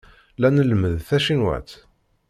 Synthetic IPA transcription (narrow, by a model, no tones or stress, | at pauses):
lænəlməðθæʃinwæ̰t̪